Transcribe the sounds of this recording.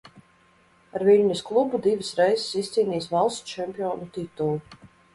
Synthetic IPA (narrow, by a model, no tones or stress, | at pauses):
aɾvilʲnʲisklˠubud̪ivɨsɾɛjzsist̪siːniːsvalˠst̪t͡ʃɛmpʲiɔːnut̪it̪ulˠu